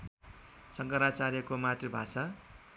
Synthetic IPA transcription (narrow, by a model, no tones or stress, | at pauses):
sʌŋkʌɾat͡saɾjʌkomat̪ribʱasa